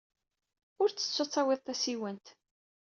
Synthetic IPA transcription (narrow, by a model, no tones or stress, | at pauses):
ʊɾt͡sːə̥t͡sːot͡sˤːɑwɪðˤt̪æsiwənt̪